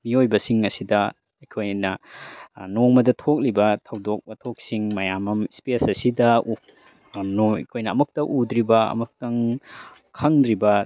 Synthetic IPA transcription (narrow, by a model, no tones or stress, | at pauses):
miojbɐsiŋɐsidɐ | ɐkʰojnɐ | noŋmɐdɐtʰok̚libɐtʰɐwdok̚mɐtʰok̚siŋmɐjamɐmspesɐsidɐu | no̰kʰojnɐɐmuk̚tɐʔud̪ɾibɐɐ̰muk̚tɐŋ | kʰɐŋd̪ɾibɐ